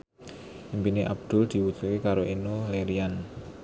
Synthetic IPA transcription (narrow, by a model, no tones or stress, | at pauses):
ʔimpineʔab̚d̪̥ʊld̪̥i̤wut͡ʃukekaɾoʔinuleɾian